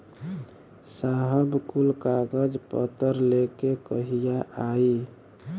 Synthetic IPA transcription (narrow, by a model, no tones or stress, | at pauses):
saɦəbkulkaɡəd͡ʒpə̰t̪əɾlekekəɦijaʔai